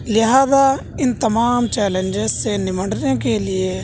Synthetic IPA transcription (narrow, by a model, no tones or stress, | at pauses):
lɪɦaːza | ɪnt̪ɐmaːmt͡ʃɛːlẽnd͡ʒezsenɪməɖnekelɪe